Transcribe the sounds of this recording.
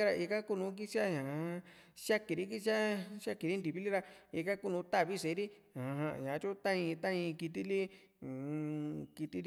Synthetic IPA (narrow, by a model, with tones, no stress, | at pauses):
a˦ɾa˧ʔi˧ka˦ku˦nũ˧˦k̬i˦t͡ʃi˦a˦ɲã˨˧ | ʃa˦ki˨˧ɾi˦k̬i˦ʃa˦ʃa˦ki˨˧ɾi˦nd̪i˨βi˦li˦ɾa˧i˧ka˦ku˦nũ˧t̪a˦˨βi˦se˨˦ɾi˦ | a˨˧ɦã˧˨ɲã˨˦t͡ʃu˦t̪ã˦ĩ˧t̪ã˦ĩ˧ki˧t̪̬i˧li˦˨˧ | ki˧t̪i˧